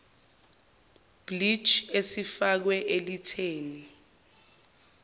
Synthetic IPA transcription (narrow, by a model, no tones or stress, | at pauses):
b̥lit͡ʃesifak̬wɛʔelitʰeːni